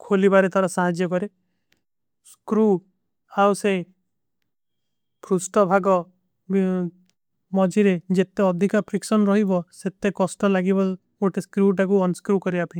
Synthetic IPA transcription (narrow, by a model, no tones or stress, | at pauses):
kʰolibaɾet̪ʰaɾɔsaɦad͡ʒjɔkɔɾe | skɾu | awse | pʰɾusʈɔbʱaɡɔ | mɔd͡ʒiɾed͡ʒet̪eɔd̪ʱikapʰɾiksɔnɾɔɦibɔset̪ekɔsʈɔlaɡibɔ | oʈeskɾuʈakuɔnskɾukɔɾibapʰaĩ